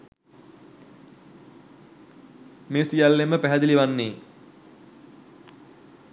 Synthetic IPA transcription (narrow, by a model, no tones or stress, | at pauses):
meːsijalːeməpæɦæd̪iliʋanːeː